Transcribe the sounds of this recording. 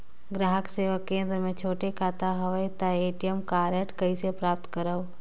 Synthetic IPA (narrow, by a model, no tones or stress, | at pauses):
ɡɾaːɦəkseːʋəkːẽːnd̪ɾəmẽt͡ʃʰoːʈekʰaːt̪aɦəʋəjt̪aeːʈijəmkaːɾjəʈkəisepɾaːp̚t̪kəɾəʋ